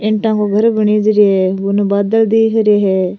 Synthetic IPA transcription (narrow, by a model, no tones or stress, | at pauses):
ɪɳʈãːkoːɡʱəɾbəɳiːd͡ʒɾeɦɛːbʊnubaːd̪əld̪iːkɾeːɦɛː